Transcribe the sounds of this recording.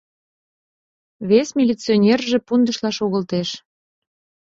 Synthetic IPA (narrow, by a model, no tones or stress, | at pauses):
βesmʲilʲit͡sionʲerʒe̽pund̪ə̆ʃlɑʃoɣəlt̪eʃ